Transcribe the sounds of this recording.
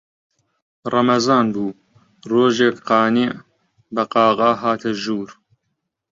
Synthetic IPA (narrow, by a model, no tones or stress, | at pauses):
rˤɐmɐzaːnbuː | roːʒeːkqɑːniʕ | bɐqɑːɣaːɦaːt̪ʰɐʒuːɾ